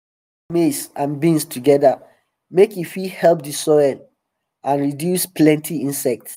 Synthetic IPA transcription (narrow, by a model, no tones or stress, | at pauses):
mesãnbĩnstʰuɡɛda | mekifihɛlp̚disɔl | ãnɹidjusplɛ̃ntʰiĩnsɛk̚t